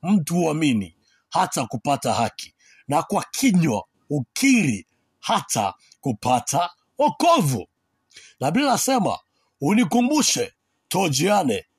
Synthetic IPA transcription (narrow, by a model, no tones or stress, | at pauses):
m̩tuaminḭ | hatakupatahaki̥ | nakwakʰiɲwa̰ | ukʰiɾi | hata̰ | kupatʰa | ɔkɔvṵ | naɓilasɛma̰ | unikumbuʃɛ | tɔd͡ʒianɛ